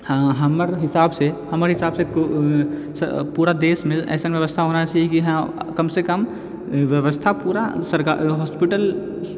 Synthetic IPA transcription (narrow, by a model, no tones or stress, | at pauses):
haɦɐmɾɦɪsaːbsehɐməɾɦɪsaːbsek | spuːɾad̪eːsmẽɛ̰ːsənʋjəʋəst̪ʰaɦoːnat͡ʃaːɦɛkiɦɐkɐmsekəm | ʋjəʋəst̪ʰapuːɾasəɾka̰ɦɔːspɪʈəl